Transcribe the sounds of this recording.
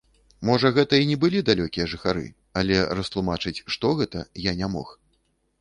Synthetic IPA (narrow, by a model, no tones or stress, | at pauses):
mɔʐɐɣɛt̪ɐinʲɛbɨlʲid̪alʲɔkʲijɐʐɨxaɾɨ̰ | ɐlʲɛɾɐst̪lˠumat͡ʂɨt͡sʲʂt̪ɔɣɛt̪ɐjanʲamɔx